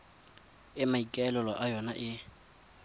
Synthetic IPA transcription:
ɪmaikʼɛlɛlɔʔajɔnaʔɪ

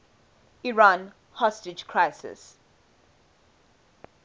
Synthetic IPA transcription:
iɹãːn | hɔstɪd͡ʒkʰɹaɪsɪ̰s

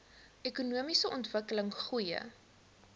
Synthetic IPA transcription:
ʔekunuəmisəʔɔntvəkələŋχujə̰

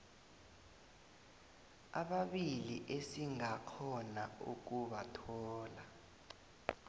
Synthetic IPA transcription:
aɓaɓiliʔesiŋakʰɔnaṵk̬uɓatʰɔːla

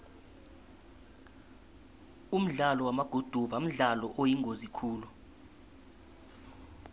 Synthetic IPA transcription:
um̩ɮalɔwamaɡ̥ʱud̥ʱuvam̩ɮalɔʔojiŋʱozikʰuːlu

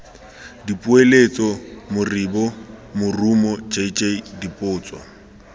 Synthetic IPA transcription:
dipʼuelet͡sʼɔmʊribɔmʊrumɔt͡ʃʼait͡ʃʼeidipʼʊːt͡sʼwɔ̰

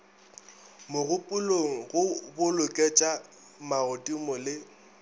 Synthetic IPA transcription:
mʊɣʊpʼʊloŋ̩ɣʊbʊlʊkʼet͡ʃʼa | maɣʊtʼimʊlɪ

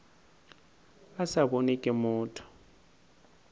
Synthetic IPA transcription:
asaɓonikʼɛmuːtʰɔ̥

